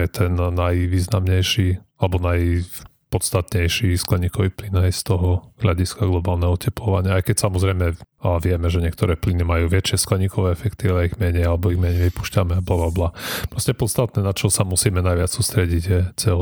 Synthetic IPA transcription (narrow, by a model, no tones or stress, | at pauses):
jɛt̪ʰɛnːajʋiːznamɲɛjʃialɛbɔnaj | pɔt̪st̪at̪ɲɛjʃisklɛɲikɔʋiːplinajst̪ɔɦɔzɦlaɟiskaɡlɔbaːlnɛɦɔɔcɛplɔʋaɲɪaajkɛcsamɔzɾɛjmɛaʋɪɛmɛʒɛɲɪɛk̚t̪ɔɾɛːplinimajuːʋɛt͡ʃɪɛsklɛɲikʰɔʋɛːɛfɛkt̪iʋɛaiɣmɛɲɛjalɛbɔiɣmɛɲɛjʋipu̥ʃcamɛblablablapɾɔscɛpɔt̪st̪at̪̚nɛnat͡ʃɔɔsamusiːmɛnajʋɪat͡ssuːst̪ɾɛɟiɟjɛt͡sɛl